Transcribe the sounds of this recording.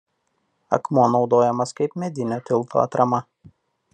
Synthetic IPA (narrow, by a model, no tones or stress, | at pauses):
ɐ̰kmoːnɒʊd̪oːjɛmɐskɐɪpmʲɛd̪ʲɪnʲot̪ʲɪlˠˑt̪ʰo̰ːɐ̰t̪ɾɐmɐ